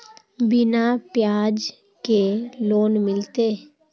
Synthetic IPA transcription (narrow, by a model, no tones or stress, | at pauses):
bɪnapjaːd͡ʒ | keloːnmɪlt̪eː